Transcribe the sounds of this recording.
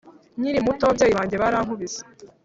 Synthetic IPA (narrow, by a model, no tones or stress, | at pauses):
ɲiɾimutowabɟeːjiβaːɲɟe̞βaɾaːŋhuβize̥